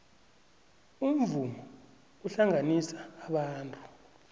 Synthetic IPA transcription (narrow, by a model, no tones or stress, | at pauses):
um̩vumɔ | uɬaŋanisḁːɓaːntʼu̥